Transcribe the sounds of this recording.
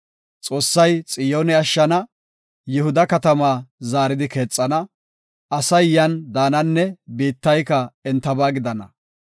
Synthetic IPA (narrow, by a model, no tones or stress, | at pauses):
t͡sʼo̞ːsːɐjt͡sʼɪjoːnɛɐʃːɐnɐ | jʊhʊd̪ɐkɐt̪ɐmaːzaːɾɪd̪ɪke̞ːt͡sʼːɐnɐ | ɐsɐjjːɐnd̪aːnɐnːɛbiːt̪ːɐjkɐɛnt̪ːɐbaːɡɪd̪ɐnɐ